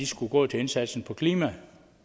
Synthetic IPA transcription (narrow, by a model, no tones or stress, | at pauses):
isɡ̥uɡ̥ɔ̰ːt͡sʰe̝e̝nsæd̥sn̩pʰɒ̽kʰliːmæ